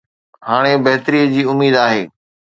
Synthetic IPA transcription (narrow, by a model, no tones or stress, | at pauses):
haːɽ̃ebɐɦt̪əɾiːəd͡ʑiːʊmiːd̪aːɦḛː